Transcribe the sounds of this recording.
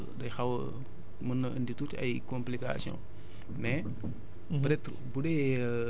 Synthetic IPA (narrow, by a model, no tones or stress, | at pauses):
dɐjxɐwɐ | mənːɐʔənditutɐ̰jkomplika̰sjɔ̰̃ | mɛ | pɾɛtɾ | budɛ